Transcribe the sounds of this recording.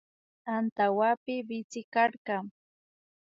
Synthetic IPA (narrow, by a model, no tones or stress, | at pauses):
ant̪awapɪbɪt͡sɪkaɾɢɑŋ